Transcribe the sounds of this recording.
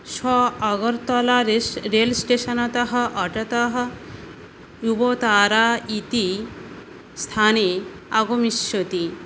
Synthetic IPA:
ʃɔɐɡɐɾt̪ɔlaɾesɾelsʈeʃɐnɐt̪ɐɦɐ̆ʔɐʈɐt̪ɐɦɐ̆ | jubot̪aːɾaːit̪i | st̪ʰaːneaɡomiʃjot̪i

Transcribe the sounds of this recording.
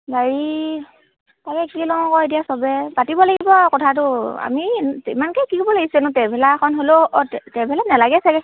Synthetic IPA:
baɹi | takɛkilɔŋɔkɔedijasɔbɛpatibɔlaɡibɔkɔtʰat̬ʊa̰miimankɛkikobɔlaɡisɛnʊ̃tɛpʰɛlakʰɔnɦoloʔɔtɛtɛpʰɛlanalaɡɛsakɛ

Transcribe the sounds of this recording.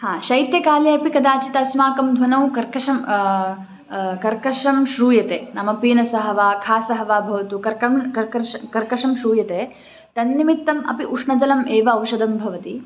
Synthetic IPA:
hãːʃɐjt̪jɐkaːliɐpikɐd̪aːt͡ʃit̪ɐsmaːkɐmd̪ʱʋɐnɐwkɐɾkɐʂɐm | kɐɾkɐʂɐmʃɾuːjɐt̪eːnɐmɐpiːnɐsɐɦɐʋaːkʰaːsɐɦɐʋaːbʱɐʋɐt̪ukɐɾkɐmkɐɾɐɾʂɐkɐɾkɐʂɐmʃɾuːjɐt̪eː | t̪ɐnːimit̪ːɐmɐ̰piʔuʂɳɐd͡ʒɐlɐmeːʋɐːwʃɐd̪ɐmbʱɐʋɐt̪i

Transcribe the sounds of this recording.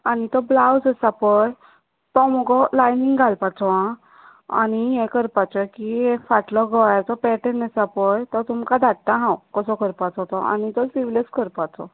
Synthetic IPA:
anit̪ɔblawd͡zəsapɔj | t̪ɔmɔɡɔlajniŋɡɡʱalpat͡sɔã | a̰niɦɛ̃kəɾpat͡sɔkiefaʈlɔɡɔt̪ɔpɛʈənəsapɔjt̪ɔt̪umkad̪ʱaʈt̪ãɦãwkɔsɔkəɾpat͡sɔt̪ɔa̰nit̪ɔsiʋleskəɾpat͡sɔ̰

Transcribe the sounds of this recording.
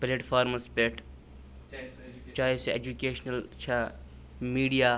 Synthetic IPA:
pleːʈfʰaːɾmɐspeːʈʰ | t͡ʃaːɦeseeːd͡ʒukeːʃnɐlt͡ʃʰɐ | miːɖija

